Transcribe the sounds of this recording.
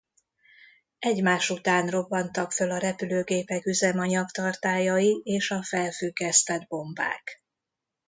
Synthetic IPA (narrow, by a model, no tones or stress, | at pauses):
ɛɟmaːʃut̪aːnro̞bːɒnt̪ɒkfølɒɾɛpyløːɡeːpɛkyzɛmɒɲɒkt̪ɒrt̪aːjɒjieːʃɒfɛlfyɡːɛst̪ɛd̪̚bo̞mba̰ːk